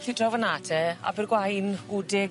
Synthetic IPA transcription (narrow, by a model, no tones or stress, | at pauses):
ɬidrɔvənatʰɛa̰bɪrɡwajnudɪ